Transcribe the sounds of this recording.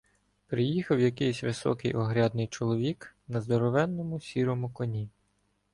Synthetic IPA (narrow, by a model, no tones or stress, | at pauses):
pɾɪjixɐwjɐkɪjsʲʋɪsɔ̰kɪjʔɔɦɾʲad̪nɪjt͡ʃɔlˠɔʋʲiknɐzd̪ɔɾɔʋɛnːɔmʊsʲiɾɔmʊkɔnʲi